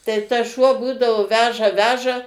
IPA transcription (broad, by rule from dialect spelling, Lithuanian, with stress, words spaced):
tɐɪ ˈtɐs ˈʃuɔ ˈbuːdɐʋoː ˈʋʲæːʒɐ ˈʋʲæːʒɐ